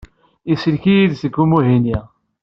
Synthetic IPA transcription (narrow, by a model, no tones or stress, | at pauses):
isəlkijiðsəɡːumuɦini